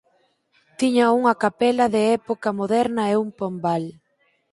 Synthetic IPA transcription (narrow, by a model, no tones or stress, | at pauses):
t̪iɲɐuŋɐkapɛlɐðɪɛpokɐmoðɛɾnɐeumpombal